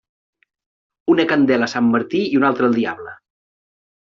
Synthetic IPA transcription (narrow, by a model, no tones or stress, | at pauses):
unəkənd̪ɛləsamːəɾt̪iiunalˠt̪ɾəlˠd̪iaβlə